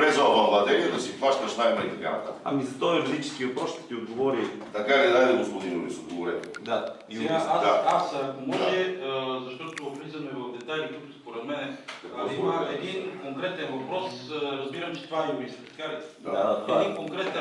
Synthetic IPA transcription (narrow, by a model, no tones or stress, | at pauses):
ɾɛzɔbɐ̃mbˠat̪ɛɾt̪ɐsip̪vaʃt̪ɐʃnajmɛit̪ɐka̰nɐt̪at̪ɐ̰mizɐt̪ɔiɾɐd̪it͡ʃɛ̥skʲiopɔʃt̪ɛ̥t̪iod̪̚ɡovɔɾi | t̪ɐkaɾɛd̪ajd̪ɛɡʊspʊd̪inṵɾḭsod̪̚ɡovɔɾɛ̰d̪aiaaaasɐmɔʒɛəzɐʃt̪ɔt̪ʊpɾizɐmɛvɐfd̪ɛt̪ajlit̪uk̪ʊspoɾɛd̪mɛnɛɐaiaɛd̪inkoŋkɾɛt̪ɛnvɐpɾɔsɾɐzbiɾɐmt͡ʃɛ̥t̪vaɛʊɾist̪ɐt̪ɐ̥kaɾɛaaɛadinkoŋkɾɛt̪